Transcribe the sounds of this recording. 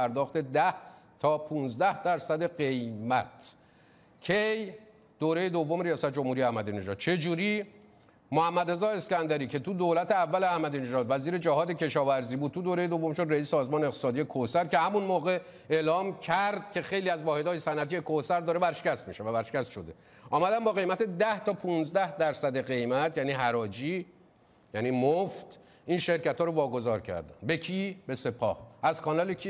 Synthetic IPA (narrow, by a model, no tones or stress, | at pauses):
æɾd̪ɒːxt̪e̞d̪æht̪ʰɒːpʰũːnzd̪æhd̪̥æɾsæd̪e̞ɢe̞jmæt̪ʰ | cʰej | d̪̥oːɾe̞je̞d̪ovːome̞ɾijɒːsæt̪ʰed͡ʒo̞mhuːɾijeæhmæd̪iːne̞ʒɒ̰ːd̪̥̚t͡ʃʰe̞d͡ʒuːɾi | mohæmːæd̪ɾezɒːe̞scænd̪æɾiːcʰe̞t̪ʰud̪oːlæt̪ʰeævːæleæhmæd̪iːne̞ʒɒːd̪væziːɾe̞d͡ʒæhɒːd̪ecʰe̞ʃɒːvæɾziːbud̪̚t̪ʰud̪oːɾejed̪o̞vːo̞mʃod̪ɾeiːssɒːzmɒːneeq̚t̪e̥sɒːd̪ijekʰohsæɾce̞hæmunmɒːɣe̞ | elɒːmcʰæɾd̪cʰe̞xe̞jliːæzvɒːhe̞d̪ɒːjesænʔæt̪ʰijekohsæɾd̪ɒːɾebæɾʃe̥cʲæst̪miʃevæbæɾʃe̥cʲæst̪ʃod̪e̞ | ɒːmæd̪æmbɒːɣe̞jmæt̪ʰed̪æht̪ʰɒːpʰunzd̪æhd̪æɾsæd̪e̞ɢe̞jmæt̪ʰjæːniːɦæɾɒːd͡ʒiː | jæniːmoft̪ | ʔinʃe̞ɾcæt̪ʰhɒːɾovɒːɡo̞zɒːɾcʰæ̰ɾd̪æ̰nbe̞cʰiːbe̞se̞pʰɒ̰ːhæzkʰɒːnɒlecʰi